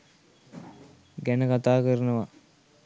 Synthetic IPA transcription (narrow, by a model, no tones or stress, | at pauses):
ɡænəkat̪aːkəɾənəʋa